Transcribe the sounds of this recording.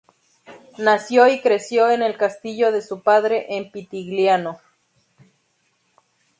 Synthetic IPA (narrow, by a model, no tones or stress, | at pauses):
nasjoikɾesjoenelkast̪iʎoðesupaðɾeʔempit̪iɣljano